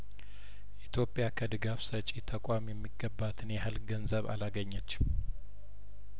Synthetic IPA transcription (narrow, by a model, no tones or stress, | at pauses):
ʔit̪ʰjo̞pʼjakʰəd̪ɨɡafsət͡ʃʼit̪ʰəkʷʼamjɛmːiɡːəbːat̪ʰɨnjɛɦalɡənzəβa̰laɡəɲːət͡ʃː